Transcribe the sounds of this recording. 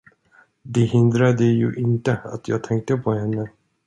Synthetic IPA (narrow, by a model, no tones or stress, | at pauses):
d̪eɦɪnd̪ɾad̪əjɵ̰ʔɪnt̪əa̰t̪ʰjɑ̰ːɡt̪ʰɛŋk̚t̪əpʰohɛnːə